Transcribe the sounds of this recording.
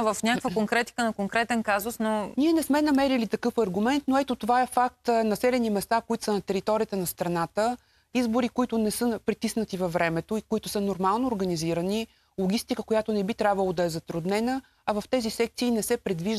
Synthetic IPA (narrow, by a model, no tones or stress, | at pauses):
vəfnʲakkvəkoŋkɾɛt̪i̥kənɐkoŋkɾɛt̪ɛnkazʊsnoniɛnɛsmɛnɐmɛɾilit̪ɐkɤfɐɾɡʊmɛnt̪noɛt̪ot̪ovaɛfak̚t̪nɐsɛlɛnimɛst̪afkoit̪ʊ̥sənɐt̪ɛɾit̪ɔɾijət̪ənɐst̪ɾɐnat̪ə | izbʊɾikʊit̪ʊnɛsɤpɾit̪isnət̪ivɐvːɾɛmɛt̪oikoit̪ʊsɤnoɾmalˠnoːɾɡɐniziɾəni | lˠoɡʲist̪ikəkojat̪onɛbit̪ɾʲabvəlˠod̪ɐɛzɐt̪ɾud̪nɛnə | ɐvɐft̪ɛzisɛk̚t̪siːnɛsɛpɾɛd̪viʒ